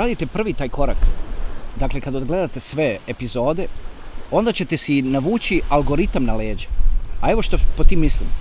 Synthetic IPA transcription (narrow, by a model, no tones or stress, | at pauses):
ɾaːd̪it̪e̞pr̩ʋit̪aːjko̞ɾa̰k | d̪akle̞kad̪od̪ɡle̞d̪at̪e̞sʋe̞epizo̞ːd̪e | o̞nd̪at͡ɕe̞t̪esinaʋuːt͡ɕialɡo̞ɾit̪amnaleːd͡ʑeae̞ʋo̞ʃt̪opot̪iːmislḭm